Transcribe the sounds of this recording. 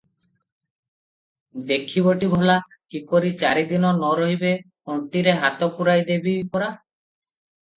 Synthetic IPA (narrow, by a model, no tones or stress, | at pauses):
d̪ekʰiboʈibʱɔla | kikoɾit͡ʃaɾid̪inɔnɔɾoɦibepoɳʈiɾeɦat̪okuɾajd̪ebipɔɾa